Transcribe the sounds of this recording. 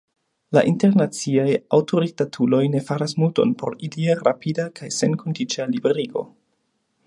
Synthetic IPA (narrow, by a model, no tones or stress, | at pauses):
la̰ʔinte̞ɾnat͡siajawtʰoɾik̚tatʰulo̞jne̞faɾasmulto̞̰npʰo̞̰ɾiliaɾa̰pʰidakajse̞nkʰondit͡ʃalibeɾiɡo̞̰